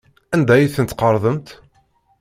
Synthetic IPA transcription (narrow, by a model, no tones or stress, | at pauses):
ænd̪æjiθənət̪qəɾˤðˤəmt̪